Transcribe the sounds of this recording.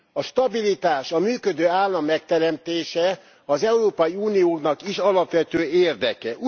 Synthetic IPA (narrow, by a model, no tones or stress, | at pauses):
ɒʃt̪ɒbilit̪aːʃɒmyːkød̪øːaːlːɒmːɛk̚t̪ɛɾɛmt̪eːʃɛ | ɒzɛuɾoːpɒjiuːnijoːknɒkiʃɒlɒpʋɛt̪øːeːrd̪ɛkɛʔu